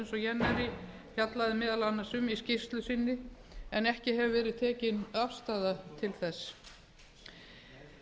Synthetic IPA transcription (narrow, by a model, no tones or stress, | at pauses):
nsɔjɛnːaɾɪ | hjat̪laðɪmɪːðalanːasʏmiscɪst̪lʏsɪnːɪ | ɛnɛhcɪɦɛvʏvɛːɾɪðt̪ʰɛːcɪnafst̪aːðat̪ʰɪlθɛs